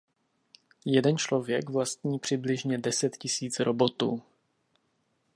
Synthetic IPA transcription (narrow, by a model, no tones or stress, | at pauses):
jɛdɛnt͡ʃlo̞vjɛkvlast̪̚ɲiːpr̝̥ɪblɪʒɲɛdɛsɛt̪cɪsiːt͡sɾobo̞t̪ṵː